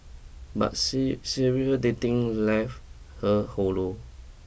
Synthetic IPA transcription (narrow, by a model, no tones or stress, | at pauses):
ba̰t̚siɹiədetĩŋlaf | həholo